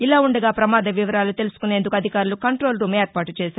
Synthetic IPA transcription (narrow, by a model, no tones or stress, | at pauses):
ilaːuɳɖɐɡaːpɾɐmaːd̪ɐʋiʋɐɾaːlut̪e̞lusu̥kune̞ːnd̪ukɐd̪ʱikaːɾulukɐɳʈɾo̞ːlɾuːmeːɾpaːʈut͡ʃɛːsaːɾu